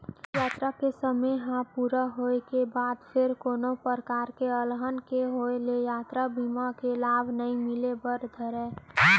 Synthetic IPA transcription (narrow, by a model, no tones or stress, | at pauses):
jaːt̪ɾakesəməjɦãpuːɾaɦoekebaːd̪pʰɪɾkoːnopəɾkaːɾkeəlɦənkeɦoelejaːt̪ɾabimakelaːbʱnəĩmɪlebəɾd̪ʱəɾɛ̃